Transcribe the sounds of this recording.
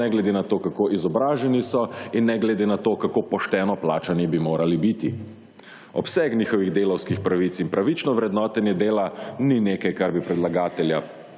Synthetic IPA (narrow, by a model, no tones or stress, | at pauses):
ɛɡlɛd̪enat̪oːkakoːʔizɔbɾaːʒɛnisɔinːɛɡlɛd̪enat̪oːkakoːpɔʃt̪ɛːnɔplaːt͡ʃanibimoːɾalibit̪i | ɔpsɛknʲiːxɔʋiɣd̪eːlɔwskixpɾaʋit̪sinpɾaʋit͡ʃnɔʋɾɛd̪nɔːt̪ɛnjɛd̪eːlanineːkajkaɾbipɾɛd̪laɡaːt̪ɛlja